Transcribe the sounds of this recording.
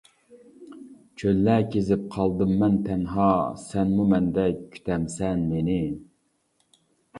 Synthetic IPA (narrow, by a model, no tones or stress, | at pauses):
t͡ʃʰølːækʲʰezɪp̚qʰɑlˠd̪ɨmːɛnt̪ʰɛnɦɑsɛnmumɛnd̪ɛkʲʰy̥t̪ʰɛmsɛnmenɪ